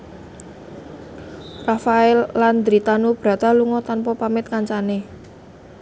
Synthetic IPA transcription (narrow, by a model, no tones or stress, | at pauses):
rafaɛlːand̪ɾit̪anob̥ɾa̤t̪aluŋɔt̪anpɔpamɪt̪̚kaɲt͡ʃane